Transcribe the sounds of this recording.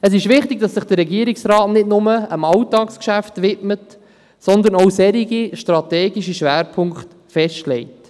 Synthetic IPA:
əs̬ɪʃʋɪχtɪɡ̥̚d̥ɑsːɪχd̥əɾːɛɡiəɾiksɾɑːtnɪdnʊməəmɑwtɑːkskʃæftʋɪtmət | sɔnd̪ənowsɛɾiɡiʃtɾɑtɛːɡiʃiʃʋæːɾpʰʊŋkχt | fɛʃtlɛɪt

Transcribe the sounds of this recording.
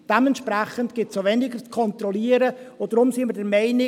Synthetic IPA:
d̥ɛmɛntʃpɾæχəntɡ̥ɪtsovɛnɪɡət͡skʰɔnt̪ɾɔliːəɾəod̥ɾʊmsiːməɾdɛɾmɛɪnɪ

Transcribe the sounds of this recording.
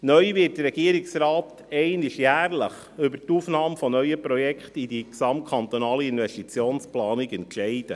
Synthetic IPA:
nœʏʋɪːt̚dəɾɛɡ̥iəɾɪksɾɑːt̪ | ɛɪnɪʃjæːɾləχ | ʏbətufnɑːmfɔnœʏəpɾɔjɛkχt̪id̪iksɑmt̚kʰɑnt̪ɔnɑːliinʋɛsʃtit͡sjoːnsplɑːnikɛntʃɛɪd̥̪ə

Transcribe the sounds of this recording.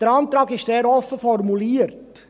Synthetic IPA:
d̥əɾɑnt̪ɾɑːɡɪʃseːɾɔfəfɔrmuliəɾt

